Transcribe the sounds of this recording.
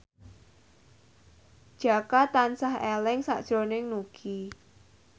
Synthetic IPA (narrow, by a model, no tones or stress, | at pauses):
d̥ʒ̥a̤kat̪ansahɛlɪŋsa̰ʔd̥ʒ̥ɾonɪŋnuɡ̥i